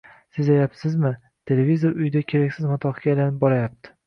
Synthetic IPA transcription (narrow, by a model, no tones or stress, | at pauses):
sɪzlajapsɪzmɪ | t̪ʰe̞le̞vizoɾʊjd̪akʲʰe̞ɾakʲsɪzmat̪ʰɒqkʲaelanɪp̚bɒɾajap̚t̪ʰɪ̥